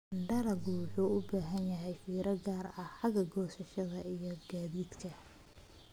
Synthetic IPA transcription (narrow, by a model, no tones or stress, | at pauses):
ɳɖɐlɐɡuːħuːʊbaːɦɐnjɐɦɛjfiːɾɐɡaːrɐhħɑɡɐɡɔːsɐʃɐðɐijɞɡaːðiːd̪kʰɐ